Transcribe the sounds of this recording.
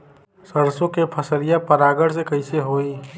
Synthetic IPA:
səɾsõkepʰəsəɾijapəɾaɡəɽsekəɪseɦoi

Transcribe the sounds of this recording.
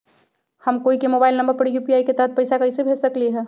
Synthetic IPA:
həmkoːikemobaɪlnəmbəɾpəɾjupiaːiket̪əɦət̪̚pəɪsakəɪsebʱesəkliɦɛ̃

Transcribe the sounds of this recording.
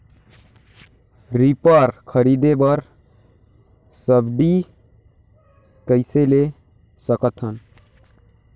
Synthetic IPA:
ɾipəɾkʰəɾid̪ebəɾ | səbd̪i | kəɪsele | səkət̪ɦən

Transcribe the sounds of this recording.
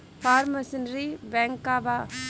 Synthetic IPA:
pʰaːɾmɐsənɾibɛŋkːaba

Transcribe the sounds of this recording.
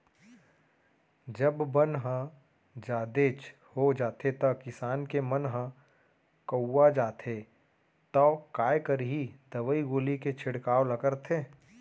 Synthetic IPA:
d͡ʒəbːənɦə̃ | d͡ʒaːd̪et͡ʃ | hod͡ʒaːt̪ʰet̪əkɪsaːnkemənɦə̃ | kəwːad͡ʒaːt̪ʰe | t̪ɔkaːjkəɾɦid̪əʋəiɡoːliket͡ʃʰɪɽkaːwləkəɾt̪ʰeː

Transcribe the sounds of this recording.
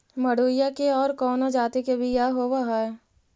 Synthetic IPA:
mɐɽoːjakeɔːɾkɔːnod͡ʒaːt̪ikebʱijaɦowaɦaɛ

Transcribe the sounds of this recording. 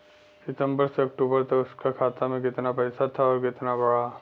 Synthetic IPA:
sɪt̪ə̃mbəɾseɐk̚ʈuːbəɾt̪ɐʊskakʰaːt̪amẽkɪt̪napɛːsat̪ʰaɔːɾkɪt̪nabɐɽaː

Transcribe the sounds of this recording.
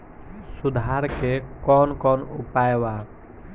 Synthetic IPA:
sud̪ʱaɾkekɔnkɔːnṵpajwa

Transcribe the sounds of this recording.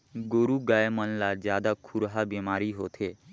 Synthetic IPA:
ɡoɾuɡajmənlad͡ʒjad̪akʰuɾɦabemaɾiɦot̪ʰe

